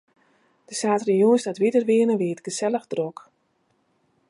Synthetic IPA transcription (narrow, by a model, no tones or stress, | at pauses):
d̥əsaːtrijuənsdatʋidərʋɪənəʋiətɡ̥əsɛləxdrɔk